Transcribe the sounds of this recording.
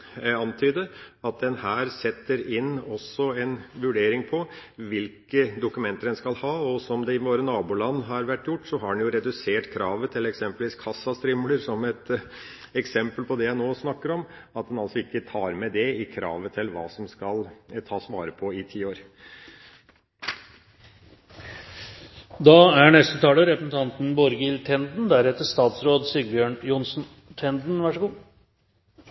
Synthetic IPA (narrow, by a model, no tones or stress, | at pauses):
ɑnt̪ʰyːd̪əɑt̪̚d̪ɛnhæːɾsɛt̪ːəɾɪnːɔsːɔɛnʋʉɖeːɾɪŋpʰɔʋɪlkəd̪ʊkʉmɛnt̪əɖɛnskɑlhɑːɔsɔmd̪ɛɪʋoːɾənɑːbuːlɑnːɦɑɾʋæʈːjʊʈːsɔɦɑɖɛnjʊɾɛd̪ʉseːʈkʰɾɑːʋət̪ʰɪlɛksɛmpəlʋiːskʰɑsːɑst̪ɾʏmləɾsɔmɛt̪ | ɛksɛmpəlpʰɔd̪ɛjæɪnoːsnɑkːəɾɔmɑt̪̚d̪ɛnɑlsɔɪkːət̪ʰɑːɾmɛd̪ɛɪkʰɾɑ̰ːʋət̪ʰɪlʋɑ̰ːsɔmskɑlt̪ʰɑːsʋɑːɾəpʰɔɪt̪ʰiːoːɾ | d̪ɑːæɳɛst̪ət̪ʰɑːləɾɛpəsn̩t̪ʰɑnt̪n̩bɔɾɡəɪlt̪ʰɛnd̪n̩d̪æɾɛt̪ːəʂt̪ɑːt̪sɾoːd̪siːbjøːɳjʊnsn̩ | t̪ʰɛnd̪n̩ʋæʂəɡuː